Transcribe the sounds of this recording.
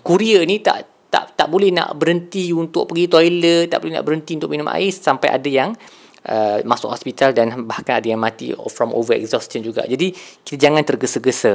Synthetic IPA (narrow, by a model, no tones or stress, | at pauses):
kuɾiənĩt̪a̰ʔ | t̪a̰ʔt̪aʔbolɛhna̰ʔbəɾənt̪iunt̪ʊʔ̚pəɡit̪ɔjləa̰ʔbolɛɦna̰ʔbəɾɦənt̪iunt̪ʊʔminʊmʔa̰ɪsːampajʔa̰dajaŋ | ʔəmãsʊ̰ʔhɔspit̪aldanbahkanadajaŋmãt̪ḭfɾɔmʔo̰vəɾɛ̰kzɔst̪ənd͡ʒuɡa̰ʔd͡ʒadiki̥t̪ad͡ʒaŋãnt̪ərɡəsəɡəsə